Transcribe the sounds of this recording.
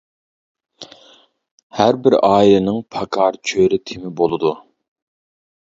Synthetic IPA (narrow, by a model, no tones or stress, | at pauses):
hæɾbɪɾɑːilɨnɨŋpʰɑkʰɑɾt͡ʃʰøɾɪt̪ʰɪmɪbolˠɨd̪u